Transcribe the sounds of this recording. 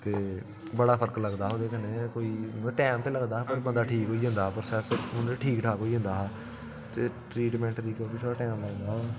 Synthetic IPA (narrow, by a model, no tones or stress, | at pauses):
t̪eː | bəɽaːpʰəɾkləɡd̪aːɦõːd̪eːkəneːkoːiːʈɛːmt̪eːləɡd̪aːɦːpəɾbənd̪aːʈʰiːkɦoːiːɦə̃nd̪aːpəɾsɛːsəʊneʈʰiːkʈʰaːkoːiːɦə̃nd̪aːɦaː | t̪eːʈɾiːʈmɛ̃ːɳʈɾiːkobiːt̪ʰoɽaːʈɛːmləɡd̪aːɦ